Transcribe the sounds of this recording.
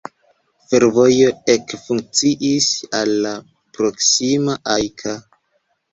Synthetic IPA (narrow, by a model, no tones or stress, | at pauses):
fe̞ɾvo̞jo̞e̞kfuŋk̚t͡siʔisalːa | pɾo̞ksimaʔajkʰa